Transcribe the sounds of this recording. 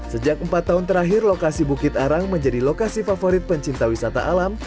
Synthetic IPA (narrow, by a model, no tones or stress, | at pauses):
səd͡ʒak̚əmpat̪ːaɦʊnt̪əɾaɦɪrlokasibukɪt̪aɾaŋməɲd͡ʒadilokasifafoɾɪt̪̚pəɲt͡ʃint̪awisat̪a̰ʔalam